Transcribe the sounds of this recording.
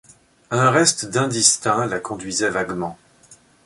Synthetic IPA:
ɛ̃ʁɛst̪d̪ɛ̃d̪ist̪ɛ̃lakɔ̃d̪ɥizɛvaɡmɑ̃

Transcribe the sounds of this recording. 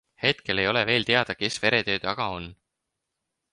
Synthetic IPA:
he̞t̪ke̞le̞jo̞le̞ve̞ːlt̪e̞ɑd̪̥ɑke̞sve̞ɾe̞t̪ø̞ːt̪ɑɡ̥ɑo̞n

